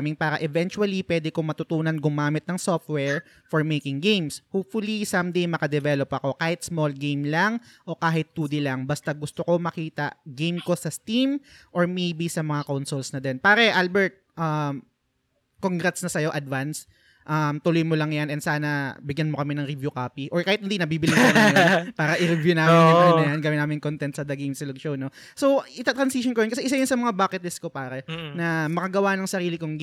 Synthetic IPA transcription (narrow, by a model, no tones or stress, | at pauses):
mɪŋpaːɾɐʔɛvɛnt͡ʃuɐlipwɛːd̪ɛkoŋmɐt̪ʊt̪uːnɐnɡʊmaːmɪt̪̚nɐŋsoft̪̚wɛɹ | foɹmejkɪŋɡejmshoːpfʊlisɐmd̪ejmɐkɐd̪ɛvɛlopʔɐko̞kaːhɪt̪̚smolɡejmlɐŋʔo̞kaːɦɪt̪̚ːuːd̪ɪlɐŋbɐst̪aɡʊst̪oko̞mɐkiːt̪ɐ̰ɡejmko̞sɐst̪imʔoɹmejbisɐmɐŋakawnsolsnɐd̪ɛnpaːɾɛʔalbɛɹt̪̚ʔɐm | koŋɡɾɛt̪snɐsɐjo̞ʔɐd̪vans | ʔɐmt̪ʊlojmolɐŋjanɛnd̪saːnɐbɪɡjɐnmokɐmɛnɐŋɾɪvjukaːpiʔoɹkaːhɪt̪hɪnd̪inɐbiːbɪlɪnɐjpaːɾɐʔɪɾɪvjunaːmɪɐɐlɐnɐjanɡɐwɪnaːmɪnkont̪ɛnt̪sɐd̪ɐɡemsɪloɡ̚ʃowno̞ | sowʔɪt̪ɐt̪ɾɐnsiʃonkojɪnkɐsɛʔɪsajʊnsɐmɐŋabaːkɛt̪lɪskopaːɾɛnɐmɐkɐɡɐwanɐŋsɐɾiːlɪkoŋ